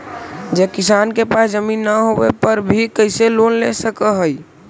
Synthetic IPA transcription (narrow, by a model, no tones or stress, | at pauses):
d͡ʒekisankepasd͡ʒəminːəɦobepəɾbʱikəɪselonlesəkəɦəj